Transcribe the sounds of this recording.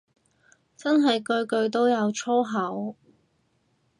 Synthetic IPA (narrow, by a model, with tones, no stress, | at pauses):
t͡sɐ˥nɦɐ˨jkɵ˧ɥkɵ˧ɥt̪̬o˥wjɐ˨˧wt͡ʃʰɔ˥wɦɐ˨˥w